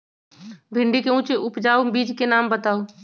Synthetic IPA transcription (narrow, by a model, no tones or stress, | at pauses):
bʱɪ̃ɳɖikeũːt͡ʃeʔʊpd͡ʒaːobiːd͡ʒkenaːmbət̪aːo